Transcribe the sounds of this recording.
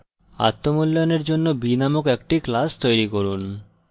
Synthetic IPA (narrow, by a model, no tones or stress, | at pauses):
a̰t̪ːomulːojoneɾd͡ʑonːobinamokɛk̚ʈiklast̪ojɾikoɾun